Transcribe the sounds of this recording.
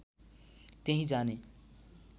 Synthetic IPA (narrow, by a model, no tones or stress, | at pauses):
t̪eɦĩd͡zane